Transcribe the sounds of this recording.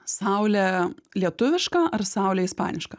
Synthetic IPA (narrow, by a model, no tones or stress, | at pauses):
sɑˑʊlʲɛlʲiɛt̪ʊʋʲɪʃkɑɐrsɑˑʊlʲɛːɪspɑ̰ːnʲɪʃkɐ